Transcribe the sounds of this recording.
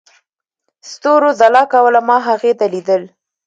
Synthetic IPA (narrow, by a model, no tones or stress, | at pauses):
st̪oɾozalɑkawəlamɑɦaɣet̪alid̪əl